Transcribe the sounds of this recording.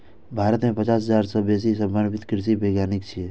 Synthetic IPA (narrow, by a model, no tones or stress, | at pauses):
bʱaːɾət̪mẽpət͡ʃaːsəzaːɾsɔbeːs̬isɐbbənbɪt̪kɾɪsibʱeːɡjaːnɪkt͡ʃʰie